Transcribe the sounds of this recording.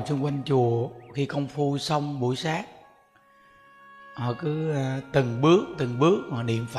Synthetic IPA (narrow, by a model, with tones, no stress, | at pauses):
t͡ɕu˧ŋ͡mkwa˧jŋ̟t͡ɕu˨˩əxi˧kə˧wŋ͡mfu˧sə˧wŋ͡mɓṵ˧˩˦jsaː˦˥k̚ | hɔ˨˩kɨ˨˦t̪ɨ˨˩ŋɓɨ˦˥ək̚t̪ɨ˨˩ŋɓɨ˦˥ək̚nɔː˨˩ɗḭ˧˨əmfa˧